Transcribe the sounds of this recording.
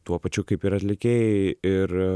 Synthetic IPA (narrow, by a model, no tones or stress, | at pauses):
t̪uɔpɐt͡ʃʲʊkɐɪpiːɾɐt̪ʲlʲɪkʲeːjɪɾ